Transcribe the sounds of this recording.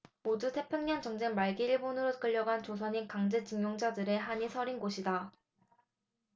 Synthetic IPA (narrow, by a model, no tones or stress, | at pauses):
modutʰe̞pʰjuŋɲʌnt͡ɕʌŋd͡ʑe̞ŋmaɭɡiiɭbonɯɾok͈ɯʎːʌɡant͡ɕos̬ʰʌɲinkaŋd͡ʑe̞t͡ɕɯŋjoŋd͡ʑadɯɾe̞ɦaɲisʰʌɾinɡoɕʰida